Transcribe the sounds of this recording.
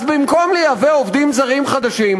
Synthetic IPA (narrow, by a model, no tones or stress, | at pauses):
zbimko̞mlejaveovd̪imzaʁimχad̪aʃim